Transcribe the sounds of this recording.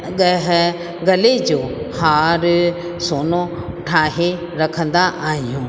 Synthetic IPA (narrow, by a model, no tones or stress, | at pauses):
ɠɐɦɪ | ɡɐled͡ʑoːhaːɾ | soːno | ʈʰaːɦe | ɾɐkʰə̃nd̪aʔaːɦijũː